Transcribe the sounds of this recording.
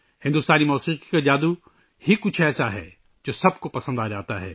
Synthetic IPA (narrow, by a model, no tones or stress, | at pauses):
hɪ̃nd̪ust̪aːnimɔːsiːqi̥kad͡ʒaːd̪u | hikʊt͡ʃʰɛːsaɦɛ̰ː | d͡ʒoːsɐbkopɐsə̃nd̪aːd͡ʒaːt̪aɦɛ̰ː